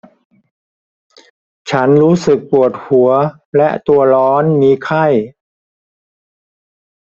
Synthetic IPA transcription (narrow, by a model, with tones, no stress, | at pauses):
t͡ɕʰa˦˥nɾuː˦˥sɯ˨˩k̚pu˨˩ət̪̚hu˩˦ɐ | lɛ˦˥ʔt̪u˧ɐlɔː˦˥nmiː˧kʰa˥˩j